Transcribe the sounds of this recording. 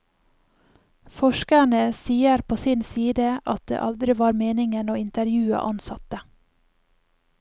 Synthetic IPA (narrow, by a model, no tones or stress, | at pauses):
fɔʃkæɳəsiːəɾpʰoːsɪnsiːd̪əʔɑt̪̚d̪ḛːʔɑld̪ɾɪʋɑːɾmeːnɪŋənoːɪnt̪əɾjʉːə̰ʔɑnsɑt̪ə